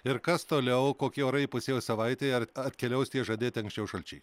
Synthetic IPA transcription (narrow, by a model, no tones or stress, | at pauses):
ɪɾkɐst̪oːlʲɛʊkoːkʲiːoːɾɐɪpʊsʲeːjoːsɐʋɐɪt̪ʲeːɐɐt̪ʲkʲɛlʲɛʊst̪ʲiɛʒɐd̪ʲeːt̪ʲɪɐŋksʲt͡ʃʲɛʊʃɐlʲt͡ʃʲɛɪ